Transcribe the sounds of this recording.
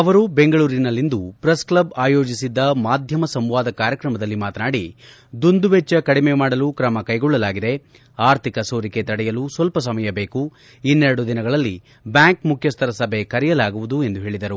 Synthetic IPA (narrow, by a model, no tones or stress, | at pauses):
ɐʋɐɾube̞ŋɡɐɭuːɾinɐlːind̪upɾesklɐbaːjo̞ːd͡ʒisid̪ːɐmaːd̪ʱjɐmɐsɐmʋaːd̪ɐkaːɾjɐkɾɐmɐd̪ɐlːimaːt̪ɐnaːɽi | d̪und̪uʋɛt͡ʃːɐkɐɽime̞maːɽɐlukɾɐmɐkɐjɡɔɭːɐlaːɡid̪e̞ | aːɾt̪ʰikɐso̞ːɾike̞t̪ɐɽɛjɐlusʋɐlpɐs̬ɐmɐjɐbe̞ːku | inːɛɾɐɽud̪inɐɡɐɭɐlːi | bjaːŋkmukʰjɐst̪ʰɐɾɐsɐbʱe̞kɐɾɛjɐlaːɡuʋud̪ue̞nd̪uɦe̞ːɭid̪ɐɾu